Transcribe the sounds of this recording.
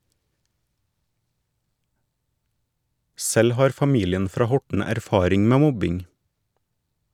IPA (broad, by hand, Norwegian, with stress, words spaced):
ˈsɛl ˈhɑːɾ fɑˈmiːlɪən ˈfɾɑː ˈhɔʈɳ̩ æɾˈfɑːɾɪŋ ˈmeː ˈmɔbɪŋ